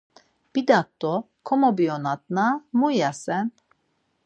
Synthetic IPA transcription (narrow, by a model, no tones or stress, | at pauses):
b̥id̪at̪ːɔ | kʰɔmɔbiɔnat̪̚namujasɛn